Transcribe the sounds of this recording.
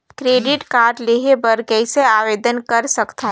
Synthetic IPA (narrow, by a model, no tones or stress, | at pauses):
kɾeːɖɪʈkaːɾɖleːɦebəɾkɛiseaːʋeːd̪ənkɐɾsɐkt̪aɦ